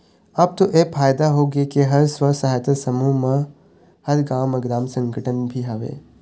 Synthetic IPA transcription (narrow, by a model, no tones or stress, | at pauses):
ɐbt̪oʔepʰaːjd̪aɦoːɡekeɦɐɾsʋəsaːɦət̪əsɐmumə̃ | hɐɾɡaːməɡɾaːmsə̃ŋɡəʈənbʱiɦaʋḛː